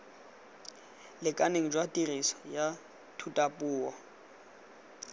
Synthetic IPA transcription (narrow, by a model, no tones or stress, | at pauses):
lɪkʼaneŋ̩d͡ʒwatʼirisɔ̥ja | tʰutʼapʼuːɔ